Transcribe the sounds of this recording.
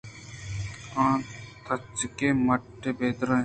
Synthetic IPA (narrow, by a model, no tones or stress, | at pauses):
ãːt̪ʰɐt͡ʃːkeːmɐʈːebeːd̪ɾə̃